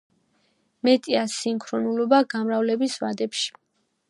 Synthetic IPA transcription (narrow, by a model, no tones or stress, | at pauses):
mɛt̪ʼiasimkʰɾɔnulɔbaɡamɾavlɛbisva̰d̪ɛpʃi̥